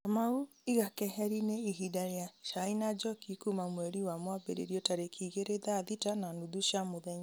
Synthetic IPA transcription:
amau | iɣakɛɦɛɾineiɦidaɾjaʃainad͡ʒɔkikumamwɛɾiwamwabḛɾḛɾjɔtaɾekʰiɣeɾeðaðitananuðuʃamoðɛɲa

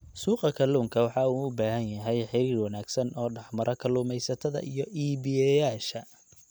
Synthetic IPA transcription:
suːqɐkʰɐluːŋkʰɐwɑħɑuːʊbaːɦɐnjɐɦɛjħɪɾiːrwɑnaːɡsɐnʔɔːɖɑħmɐɾʔɐkʰɐluːmɛjsɐt̪ʰɐðɐ̰ʔijɞʔiːβɪjɛjaːʃɐ

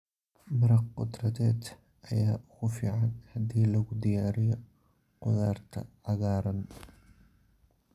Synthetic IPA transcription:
mɐɾɐqqʊd̪rɐðɛːd̪ | ʔɐjaːʊɣʊfḭːʕɑnhɐd̪iːlɐɣʊd̪ɪjaːɾɪjɔ | qʊðaːrt̪ʰɐ̰ʕɑɣaːɾɐn

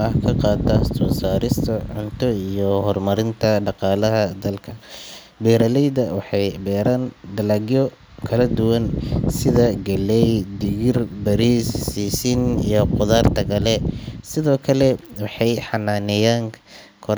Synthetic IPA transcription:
ɐhkʰɐqɑːt̪ɐsɔːsaːɾɪst̪ʰɐʕʊnt̪ʰɔiijɔhɔrmɐɾɪnt̪ʰɐɖɑqɑːlɐɦɐd̪ɐlkʰɐ | bɛːɾɐlɛjd̪ɐwɑħɑjbɛːɾand̪ɐlɐɡjɔ | kʰɐlɐd̪ʊwɐnsɪðɐɡɐlɛjd̪ɪɣɪrbɐɾiːssiːsɪnijɔqʊðaːrt̪ʰɐɡɐlɛsɪðɔːkʰɐlɛwɑħɑjħɑnaːnɛjaːŋ | kʰɔ

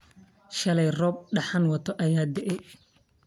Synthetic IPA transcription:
ʃɐlɛjrɔːb̚ɖɐħanwɐt̪ʰɔʔɐjaːd̪ɛʔɛ

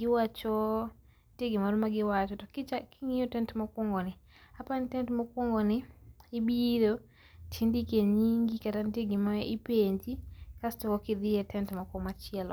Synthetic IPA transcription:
ɡɪwat͡ʃɔ | nteɡɪmaɾmaɡɪwat͡ʃɔtɔkɪt͡ʃakʰiŋijɔtɛntmakwɔŋɡɔnɪ | apantɛntmakwɔŋɡɔnɪːbiɾo | tʰindikeɲiŋɡikatanteɡɪmaipeɲd͡ʒikastɔkɔkɪd̪ɪɛtɛntmakɔmat͡ʃɪɛlɔ̰

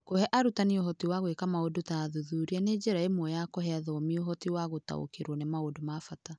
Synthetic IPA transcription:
kohɛʔaɾutanioɦɔtiwaɣwekamaodotaðuðuːɾianed͡ʒeɾaemwɔjakɔɦɛaðɔmioɦɔtiwaɣota̰o̰keɾwɔnɛmaodomafata

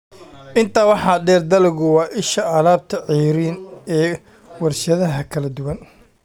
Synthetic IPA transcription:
ʔɪnt̪ʰaːwɑħɑːɖɛːrd̪ɐlɪɣʊwɑːʔɪʃɐɐlaːb̚t̪ʰɐʕijɾiːnɛː | wɐrʃɐðɐɦɐkʰɐlɐd̪ʊwɐn

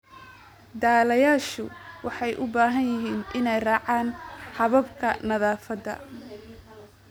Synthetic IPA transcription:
d̪aːlɐjaːʃʊ̰wɑħɑjʔʊbaːɦɐnjɪɦiːnʔɪnɛjrɑːʕaːnhɐβɐbkʰɐnɐðaːfɐd̪ɐ̰

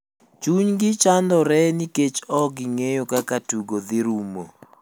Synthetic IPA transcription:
t͡ʃuɲɡɪt͡ʃand̪ɔɾɛniket͡ʃɔɡɪŋejokakatuɡod̪ɪɾumo̰

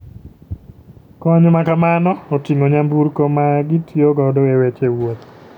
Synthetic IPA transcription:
kɔɲmakamanɔːtiŋoɲambuɾkomaɡitjoɡɔdɔewet͡ʃewot̪

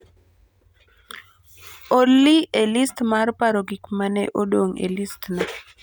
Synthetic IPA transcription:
olːielistmarpaɾoɡɪkmanɛ̰ʔodoŋḛlistna

